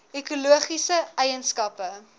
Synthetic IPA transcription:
ekuluəχisəɛjənskɐpə

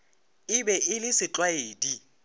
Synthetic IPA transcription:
ɪbɛʔɪlɪsɪt͡ɬʼwaeːdi

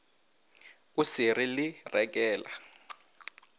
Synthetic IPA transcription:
usirilirɛk̬ʼɛːla̰

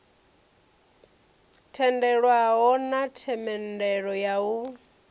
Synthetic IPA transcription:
tʰɛndɛɺwaɦɔnatʰɛmɛndɛɺɔjau

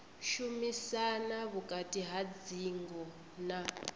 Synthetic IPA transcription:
ʃumisanaβukʼatʼiɦad͡ziŋɡɔ | na

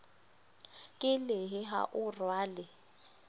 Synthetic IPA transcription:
kʼɪlɪɦɪɦa̰ʔʊrwaːlɪ

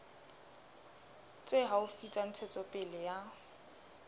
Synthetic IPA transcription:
t͡sʼeɦaʊfit͡sʼan̩t͡sʰɛt͡sʼɔpʼɪlɪja

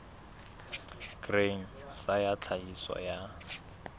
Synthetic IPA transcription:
ɡreŋ̩ | sajat͡ɬʰaɦisɔ̰ja

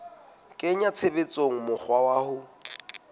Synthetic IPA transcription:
kʼeɲat͡sʰebet͡sʼoŋ̩mʊk͡xʰwawaːhʊ

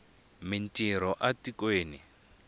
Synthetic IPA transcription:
mintʼiɾ̤ɔʔatikweːni

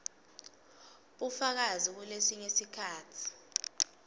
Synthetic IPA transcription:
ɓufak̬azik̬ulesiɲesikʰaːtʰi̥

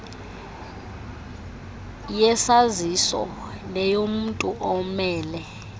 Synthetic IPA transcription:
jɛsazisɔ̰ | lɛjom̩ntʼuʔɔmɛːlɛ

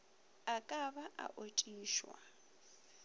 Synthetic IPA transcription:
akʼaβaʔa̰ʔotʼiːʃwa̰

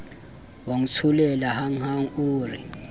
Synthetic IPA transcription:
woŋut͡sʰulɛlahaŋ̩haŋ̩uːrḭ

